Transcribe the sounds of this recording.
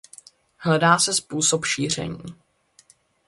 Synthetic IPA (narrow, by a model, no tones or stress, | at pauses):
ɦlɛdaːsɛspuːsopʃiːr̝ɛ̰ɲiː